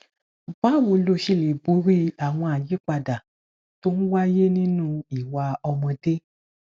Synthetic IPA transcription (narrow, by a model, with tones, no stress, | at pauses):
k͡pa˨˦wo˧˦lo˧ʃi˧le˨bu˨˦ɾi˦a˨w̃ɔ̃˧a˨ji˨˦k͡pa˧da˨ | to˦ñ̩˦wa˦je˦nĩ˦nũ˦i˨wa˧ɔ˧mɔ̃˧de˦